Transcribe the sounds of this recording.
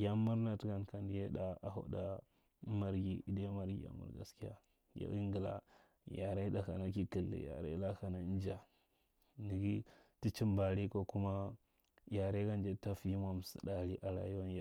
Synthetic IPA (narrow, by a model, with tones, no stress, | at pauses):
ja˦mːu˦ɾna˨ti˦ɡa˨n˨ka˨n˦je˦da˦a˨ɦo̰˦da˦ | ma˦ɾɡi˦i˦da˦ma˨ɾɡḭ˨ja̰˨mṵ˨ɾɡa̰˨ski˦ja̰˦ | ja̰˨˦ʔi˦ŋɡə˨la̰˨ | ja˨ɾa˦i˦da˨ka˨na˦ki˦ki˨lːḭ˨ja̰˨ɾa̰˦la˦ka˨na˨˦n˦d͡ʒa˨ | ni˨ɡi˦ti˦t͡ʃi˦mba˨ɾi˦ko˦ku˦ma˦ | ja˨ɾe˦ɡa˦nd͡ʒe˦ta˦fi˨ji˦ma˨m˨sḭ˨da˨ɾi˦ʔa˨ɾa̰˨ji˦wa˦n˦ja˨˦